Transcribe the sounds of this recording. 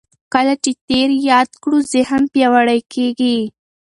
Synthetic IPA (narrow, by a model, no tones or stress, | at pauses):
kəlat͡ʃet̪eɾjɑd̪kɽuzɪhəmpjɑwaɽajkeɡi